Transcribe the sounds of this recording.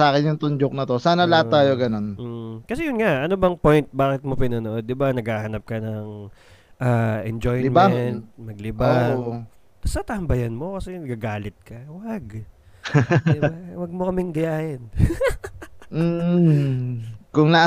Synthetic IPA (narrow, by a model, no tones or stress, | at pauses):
aːkɪnjʊŋt̪ʊnd͡ʒok̚nɐt̪osaːnɐlɐat̪ːaːjoɡɐno̞nm̩kɐsɛjʊnŋaʔʔɐnobɐŋpo̞jnt̪̚baːkɪt̪̚mopɪnɐnoʔo̞d̪̚ːɪbanɐɡhaːhɐnɐp̚kɐnɐŋ | ʔaːʔɛnd͡ʒojmaɛnt̪̚mɐɡ̚lɪbao | t̪ɐsɐt̪ɐɐmbɐjɐnmo̞kɐsɛnɐɡaɡaːlɪt̪̚kɐwɐɡ | bawɐɡ̚mokɐmɪŋd̪ɐjaːhɪn | m̩ː | kʊŋna